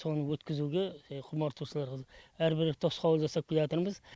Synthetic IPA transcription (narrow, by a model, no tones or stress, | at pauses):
so̞nəwɵt̪kʲɪzuɡʲeqʰʊmɑɾt̪ʰuʃəlˠɑɾʁɑæɾbɪɾt̪ʰo̞sqʰɑwəlˠʒɑsɑp̚ʰʲɪljɑt̪əɾməz